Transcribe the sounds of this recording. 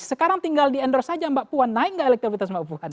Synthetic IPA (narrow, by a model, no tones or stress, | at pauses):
səkaɾaŋt̪iŋɡaldiɛndɔrsad͡ʒambaʔpuanːaɪk̚ŋɡaʔelɛk̚t̪ɾofit̪as̬mbapuan